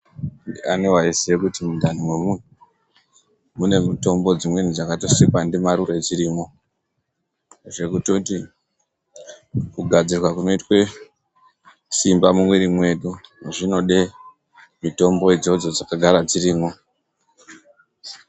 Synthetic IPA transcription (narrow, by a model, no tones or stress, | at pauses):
anowaisekutimundʱanimwemwe | mune̞mito̞mbo̞d͡zimwenid͡zakato̞sikandemaɾure̞d͡ziɾiːmo̞ | ʐe̞kutoti | kuɡʱad͡zirwakuno̞itwe | simbamumweɾimwe̞ɗuʐino̞ɗe | mito̞mbo̞id͡zo̞d͡zo̞d͡zakaɡʱaɾad͡ziɾiːmo̞